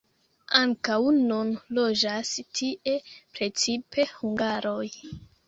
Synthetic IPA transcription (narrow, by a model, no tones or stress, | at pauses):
aŋkawnunlo̞d͡ʒastʰiʔe̞pɾe̞t͡sipʰe̞huŋɡaɾo̞j